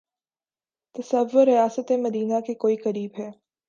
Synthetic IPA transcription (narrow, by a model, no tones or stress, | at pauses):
t̪ɐsɐʋːʊɾːijaːsət̪emɐd̪iːnakekoːiqɐɾiːbɦɛː